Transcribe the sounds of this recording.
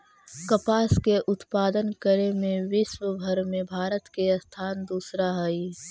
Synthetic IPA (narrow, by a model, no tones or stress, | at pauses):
kəpaːskeʔʊt̪paːd̪ənkəɾemẽʋɪʃwəbʱəɾmẽbʱaːɾət̪kest̪ʰaːnd̪uːsɾaɦɛi